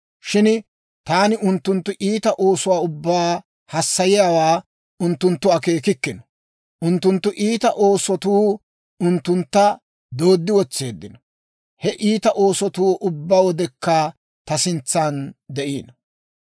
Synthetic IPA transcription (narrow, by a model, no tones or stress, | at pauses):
ʃɪn | t̪aːnɪʔʊnt̪ːʊnt̪ːʊʔiːt̪ɐʔo̞ːsʊwaːʊbːaː | hɐsːɐjɪjaːwaː | ʊnt̪ːʊnt̪ːʊɐke̞ːkɪkːɪnɔ̥ | ʔʊnt̪ːʊnt̪ːʊʔiːt̪ɐʔo̞ːsɔt̪uː | ʊnt̪ːʊnt̪ːɐ | d̪o̞ːd̪ːɪwɔt͡sːe̞ːd̪ːɪnɔ | hɛʔiːt̪ɐʔo̞ːsɔt̪uːʔʊbːaːwɔd̪ɛkːa | t̪ɐsɪnt͡sːaːnd̪ɛʔḭːnɐ